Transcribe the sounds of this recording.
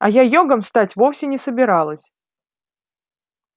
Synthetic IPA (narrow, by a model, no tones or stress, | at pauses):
ɐ̰jajoɡəmst̪atʲvo̞fsʲɪnʲɪsəbʲɪɾalˠəsʲ